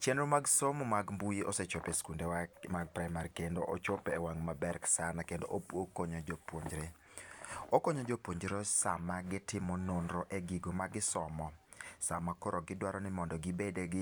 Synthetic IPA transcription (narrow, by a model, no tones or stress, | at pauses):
t͡ʃɛnɾomaɡsomumaɡmbuiʔɔset͡ʃopeskundewmaɡ̚pɾaɪmaɾikendoʔot͡ʃopːwaŋmabɛɾksanakendoʔokoɲɔd͡ʒopwoɲd͡ʒɾe | okoɲod͡ʒopwoɲd͡ʒɾosamaɡɪtɪmɔnonɾɔʔeɡiɡomaɡɪsɔmɔ | samakoɾɔɡɪdwaɾɔnɪmɔndɔɡɪbedeɡɪ